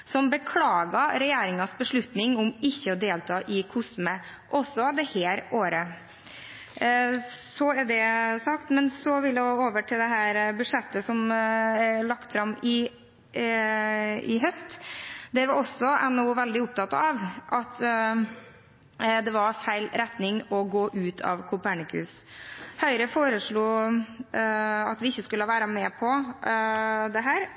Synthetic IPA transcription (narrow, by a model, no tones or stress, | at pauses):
sɔmbəkʰlɑːɡɑɾɛjeːɾɪŋɑsbəʂɭʉt̪nɪŋʊmɪçːəɔd̪eːlt̪ʰɑːʔɪkʰʊsmə | ʔɔsːɔd̪ɛheːɾoːɾə | sɔæɖɛsɑk̚t̪mɛnsɔʋɪljæɡoːʋəʈʰɪld̪ɛɦæːɾbʉdʂɛt̪ːəsɔmɛɭɑkt̪fɾɑmɪ | ɪɦœst̪d̪æɾʋɑɾɔsːɔɛnːʊːʋɛld̪ɪʊp̚t̪ɑt̪ɑʋʔɑt̪ | d̪ɛʋɑɾfæɪlɾɛt̪nɪŋɔɡoːʔʉːt̪ʰɑ̰ʋkʰʊpæɳɪkʰʉ̰shœʏɾəfoːɾəʂɭuː | ɑ̰t̪ʋɪɪçːəskʉləɑʋæːɾɑmɛːpʰɔ | d̪ɛɦæːɾ